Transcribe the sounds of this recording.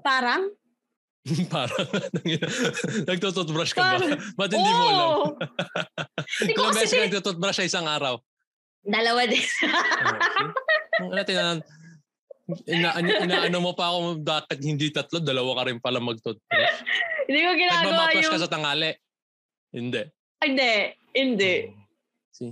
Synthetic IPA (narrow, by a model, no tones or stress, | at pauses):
paːɾɐŋ | paːɾɐŋn | nɐɡ̚t̪ot̪̬ot̪̚bɾɐʃkɐɐmɐt̪ɪnd̪ɪnmo | sɐmbɛːsɛnɐɡ̪̚uːt̪ot̪̚bɾasnɐɪsaŋʔaːɾɐw | d̪ɐlɐwad̪ɛn | ɐnɐt̪ɪna | ʔɪnaːʔɐnʔɪnaːʔɐnomopɐɐkod̪aːkɪt̪̚hɪnd̪it̪ɐt̪lod̪ɐlɐwakɐɾɪnpɐlɐmɐɡ̚t̪ot̪̚bɾʃhɪ̃nd̪iːkoɡɪnaːɡmɐɐwaɾɐjskɐsɐt̪ɐŋaːlɛʔ | hɪnd̪ɛʔ | ɪnd̪ɛ | hɪnd̪ɛʔ | si